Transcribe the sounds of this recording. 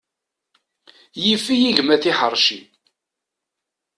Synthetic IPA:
jifijiʝmæθiħəɾˤʃḭ

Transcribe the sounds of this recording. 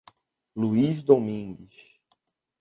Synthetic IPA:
luizd̪omĩɡis

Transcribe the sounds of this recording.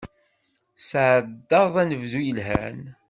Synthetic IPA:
sʕəd̪ːɑðˤænəvðujəlɦæ̰n

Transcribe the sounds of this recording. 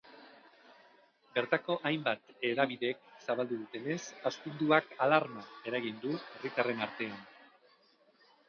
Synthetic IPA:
beɾt̪ako̞ʔajmbat̪e̞ðaβiðe̞k̚saβald̪uðut̪e̞ne̞sast̪und̪uakalaɾmae̞ɾaɣind̪ue̞rit̪are̞naɾt̪e̞an

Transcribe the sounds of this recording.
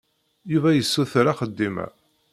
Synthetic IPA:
juvæjəsːuθɾaχəd̪ːimæ̰

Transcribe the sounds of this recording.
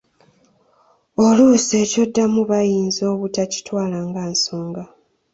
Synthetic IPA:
oluse̞ːco̞dːamuβajiːnzo̞ːβutaci̥twaːlaːŋɡaːnsoːŋɡa

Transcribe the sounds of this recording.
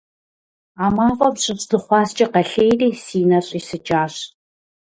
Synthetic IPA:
aːmaːvɐmɕʼɪpsz̥ɨχʷɑːst͡ʃʼɐqɐɬeːjriːsiːnɐɕʼiːsɨt͡ʃʼaːɕ

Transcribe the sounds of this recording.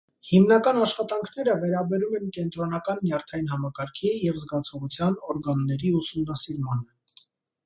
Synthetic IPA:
himnɑkɑnɑʃχɑt̪ɑŋkʰnɛɾəvɛɾɑbɛɾumɛnkɛnt̪ɾɔnɑkɑnːjɑɾt̪ʰɑjinɦɑmɑkɑɾkʰijɛvzɡɑt͡sʰɔʁut͡sʰjɑnɔɾɡɑnːɛɾiusumnɑsiɾmɑnə

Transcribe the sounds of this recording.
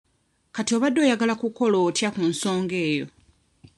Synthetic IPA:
katio̞βadːo̞ːjaɡalakuko̞loːtjakunso̞ːŋɡe̞ːjo̞̰

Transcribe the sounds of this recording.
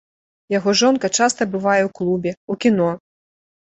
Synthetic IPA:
jaɣɔʐɔnkɐt͡ʂast̪ɐbɨvajɛwklˠubʲɛukʲinɔ

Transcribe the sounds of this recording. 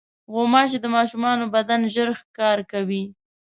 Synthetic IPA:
ɣomɑt͡ʃed̪əmɑʃumɑnobad̪anʒəɾxkɑɾkawi

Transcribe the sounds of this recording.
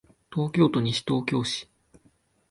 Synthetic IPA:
t̪o̞ːkʲo̞ːt̪o̞ɲ̟iɕi̥t̪o̞ːkʲo̞ːɕi̥

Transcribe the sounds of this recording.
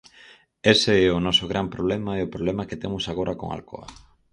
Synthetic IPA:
eseɛʊnɔsoɣɾʔampɾoβlɛmaɛʊpɾoβlɛmaket̪emʊsaɣ̞oɾʔako̰ŋa̰lko̰a̰

